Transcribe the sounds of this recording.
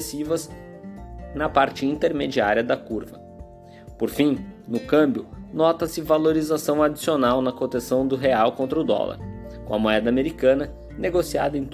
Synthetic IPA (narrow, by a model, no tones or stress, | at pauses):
sivɐz | nɐpaɾt͡ʃɪĩnt̪eɾmed͡ʒiaɾiɐd̪ɐkuɾvɐ | poɾfĩnʊkɐ̃mbjʊnɔt̪ɐsɪvaloɾizasɐ̃w̃ad͡ʒisionawnɐkõt̪esɐ̃w̃d̪ʊɦeawkõnt̪ɾɐʊd̪ɔ̰lɐ̰ɾ | kõɐmoɛd̪ɐameɾikɐ̃nɐ | neɡosia̰d̪ɐẽj̃t̪